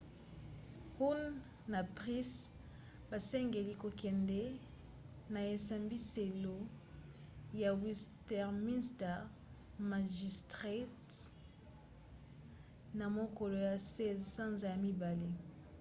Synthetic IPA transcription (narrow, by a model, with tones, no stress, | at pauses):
hu˦nː | a˨pʁi˦s | ba˨sɛ˦ŋɡe˨li˦ko˨kɛ˨ndɛ˦ | na˨e˨sa˨mbi˦se˨lo˦ | ja˨wi˦stɛ˨ʁmi˦nstɛ˨ʁ | ma˨ʒi˨stʁe˦t | na˨mo˦ko˨lo˨ja˨se˦zsã˦nza˨ja˨mi˦ba˨le˦